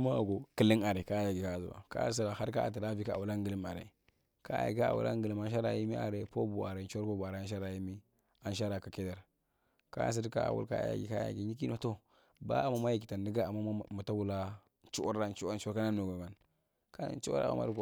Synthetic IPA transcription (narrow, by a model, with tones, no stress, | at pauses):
ma˦˨ɡo˨ki˨li˦na˨ɾe˨ka˦ja˨ɡi˨ka˦˨zṵ˨a̰˨ka̰˦a̰˦s̬a˦ɾa˨ha˦ɾka˦a̰˨ti˨ɾa˦vi˦ka˦˨a̰˨wu˨la˦ŋɡə˨li˦ma˨ɾḛ˨ | ka˦a̰˨ka˦a̰˨wṵ˨la̰˦ŋɡə˨li˦ma˦n˦ʃ̬a˦ɾa˨ji˦mi˦ʔa̰˨ɾe˨po˦bu˨a˨ɾe˨t͡ʃa˦ɾpo˦bu˨a˨ɾe˨a˦n˦ʃ̬a˦ɾa˨ji˦mi˦ | a˦nʃ̬a˦ɾa˨ka˨ke˦da˨ɾ | ka̰˦a˨s̬a˦dka̰˦a̰˨wṵ˦lka̰˦a̰˦ja̰˨ɡḭ˨ka˦ja̰˨ɡi˨ɲi˦k̬i˦no˨to˦ | ba̰˦a˨ma˦ma˦i˨ki˨ta˨ndi˦ɡa˦a˨ma˦˨ma˨ta˦wu˨la˦ | t͡ʃu˦o̰˦ɾa˦nt͡ʃu˦a˦n˦t͡ʃu˦o˦ka˦na˦nːo˨ɡo˨ba˨n | ka˦na̰˨n˦t͡ʃṵ˦ɾa̰˨a̰˨ma̰˨ɾu˦ko˦˨